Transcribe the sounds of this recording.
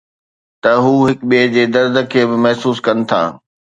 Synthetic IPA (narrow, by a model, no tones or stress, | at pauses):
t̪ɐɦuːɦɪkɓied͡ʑeːd̪ɐɾd̪ʱə̆kʰeːbɪmɐɦsuːskɐnɪ̆t̪ʰa̰ː